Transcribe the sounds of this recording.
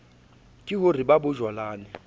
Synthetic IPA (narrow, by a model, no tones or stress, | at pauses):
kʼɪɦʊribabʊʒwalaːnɪ